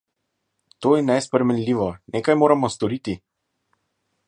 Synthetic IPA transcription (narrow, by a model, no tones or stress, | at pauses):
t̪oːjɛnɛjspɾɛmɛnlʲiːʋɔneːkajmoːɾamɔst̪ɔɾit̪i